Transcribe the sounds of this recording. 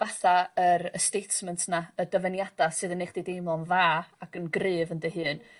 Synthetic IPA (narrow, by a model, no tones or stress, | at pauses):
vaθaəɾəstejtmɛntʰnaədəvənjad̥asɨːðənːejχd̥idejmɔnvaːaɡənɡrɨːvəndəɦɨːn